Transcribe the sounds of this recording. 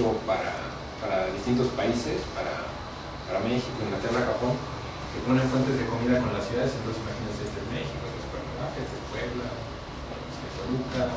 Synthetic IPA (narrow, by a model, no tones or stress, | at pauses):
ɣopaɾa̰ | paɾaðist̪int̪ospaisespaɾa̰ | paɾamexikoeŋlat̪eraxapo̞n | keponeɱfwent̪̬e̞zðe̞ko̞miðako̞nlasjuðaðesient̪onsesimaxinenseest̪enmexikoest̪asu̥peɾnoβaxezðeskweβla | eosekoluka